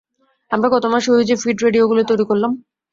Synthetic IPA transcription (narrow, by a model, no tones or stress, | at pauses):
amɾaɡɔt̪omaʃoid͡ʑefiɖɾeɖioɡulot̪ojɾikoɾlam